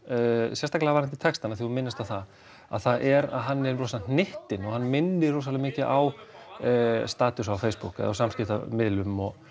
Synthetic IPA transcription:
sjɛst̪aklavaɾɪnt̪ɪt̪ʰɛkst̪anaθiunmɪnːast̪aθa | a̰ðθaðʔɛɾa̰ðɦanːɛɾɔsannɪht̪ɪnɔɣhanːmɪnːɪ̥rowsalɪmɪːcɪʔaw | st̪aːt̪ʏsawfejspukɛ̰ða̰wsamscɪt̪a̰mɪðlʏmɔɣ

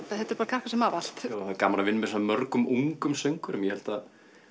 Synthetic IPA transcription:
θahɛt̪ʏɾpaɾkʰar̥hkasɛmaːval̥t̪ːaθaðkaːmaɾavɪnːmɛsɔnamœɾkʏmuŋkʏmsœjŋkʏɾʏmjɛhɛl̥t̪að

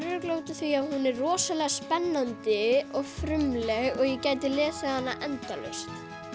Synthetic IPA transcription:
ɾʏklowt̪ʏθviahunɛrrɔːsalɛɣaspɛnːant̪ɪɔɣfɾʏmlɛɣɔɣjɛcaːjt̪ɪlɛːsahanːaʔɛnt̪alœ̰st̪

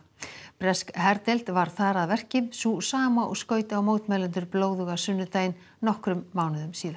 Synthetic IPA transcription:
pɾɛskɦɛɾt̪ejl̥t̪vaɾ̥θaɾaðvɛr̥cɪmsusaːmaʔɔ̰ɣskœːɥt̪awmoːwt̪mɛːlɛnt̪ʏɾploːwðʏɣasʏnːʏt̪ajnːɔhkɾʏmːawnʏðʏmsiːða

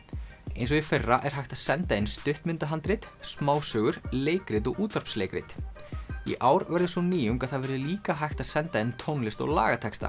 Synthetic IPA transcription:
ejnsɔɣifɛrːaʔɛɾ̥ɦajht̪asɛnt̪aejnst̪ʏht̪mɪnt̪aɦant̪ɾɪt̪smaːwsœːɣʏɾ̥leːjkɾɪt̪̬ɔɣuːt̪aɾ̥pslejkɾɪ̰t̪ | ḭʔaːwɾvɛɾðɪsɔniːjʏmkaðθaðvɛɾðʏliːkaɦajxt̪aðsɛnt̪aejnt̪ʰownlɪst̪ɔ̰ɣla̰ːɣat̪ʰɛkst̪a̰

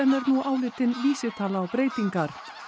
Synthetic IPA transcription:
ɛnɛɾnuaːwlɪːt̪ɪnviːsɪt̪ʰaːlaːwpɾeːjt̪iŋkaɾ̥

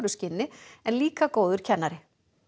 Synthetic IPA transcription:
ɾʏscɪnːɪɛnliːkakoːwðʏɾ̥cʰɛnːaɾɪ

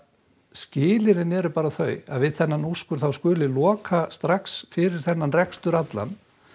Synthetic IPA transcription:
scɪːlɪɾɪnɛɾʏpaːɾaθœːɥa̰ðvɪðθɛnːanuskʏɾ̥θawskʏːlɪlɔːkʰast̪ɾaksfɪɾɪɾ̥θɛnːanrɛkst̪ʏɾat̪la̰n

